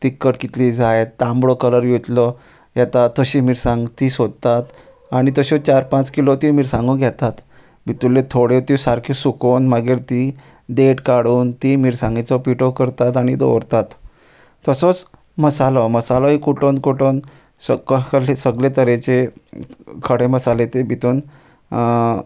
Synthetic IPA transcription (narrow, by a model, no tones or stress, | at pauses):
t̪ikːəʈkit̪liːd͡zajt̪ːãmbɽokələɾjet̪lɔ | jɛt̪at̪ːəɕiːmiːɾsãŋɡt̪isod̪̚t̪at̪ | aɽ̃it̪əɕot͡ɕaɾpãt͡skilot̪imiːɾsãŋɡũɡʱjɛt̪at̪ | bʱit̪ulːet̪ʰoɽet̪isaɾkʰesukonmaɡiːɾt̪i | d̪eʈkaɽuːnt̪imiːɾsãŋɡet͡sɔpiʈokəɾt̪at̪aɽ̃id̪o̰ʋɾt̪at̪ː | əsot͡s | məsalɔməsalɔikuʈʰonkoʈon | səkəklesəɡlet̪əɾet͡ɕe | kʰəɽeməsalet̪ebʱit̪uːn